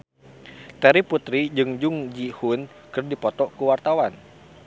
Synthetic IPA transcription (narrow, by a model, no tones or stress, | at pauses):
t̪ɛɾiput̪ɾid͡ʒɨŋd͡ʒʊŋd͡ʒihun | kɨrdipɔt̪ɔkuwart̪awan